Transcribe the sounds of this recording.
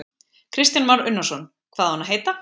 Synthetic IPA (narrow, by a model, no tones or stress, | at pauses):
kʰɾɪst̪janmaɾʏnːḁsɔn | kʰvaːðahanaɦeːjt̪a